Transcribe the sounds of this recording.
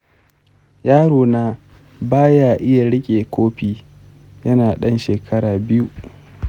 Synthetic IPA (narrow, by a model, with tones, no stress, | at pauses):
jaː˦ɽoː˨naː˦ | baː˦jaː˨ʔɪ˦ja˨ɽɪ˦kʲʼeː˨kʷʰoː˦ɸiː˨ | jɐ˦naː˨ɗɐ˦nʃeː˨kʰɐ˦ɽaː˨bɪ˦ju˦